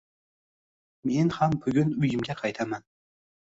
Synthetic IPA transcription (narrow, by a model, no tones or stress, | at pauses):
menhambʊɡʲʊnʊjɪmɡʲaqʰɑjt̪ʰaman